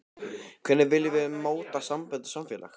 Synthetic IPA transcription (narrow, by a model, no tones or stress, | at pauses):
kʰvɛnːɪvɪljɪvɪðmoːwt̪asampɛððt̪samfjɛla̰x